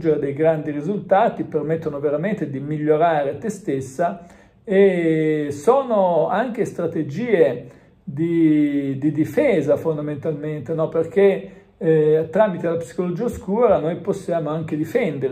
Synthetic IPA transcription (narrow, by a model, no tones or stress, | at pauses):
d͡ʒeɾed̪ejɡɾand̪iɾizult̪aːt̪ipermet̪ːonoveɾament̪ed̪imiʎːoɾaːɾet̪est̪esːa | e | soːnoaŋk̟est̪ɾat̪ed͡ʒiːe | d̪id̪id̪ifɛːzafond̪ament̪alment̪enɔperk̟e | t̪ɾaːmit̪elapsi̥kolod͡ʒiːaskuːɾanojposːjaːmoaŋk̟ed̪ifɛnd̪eɾ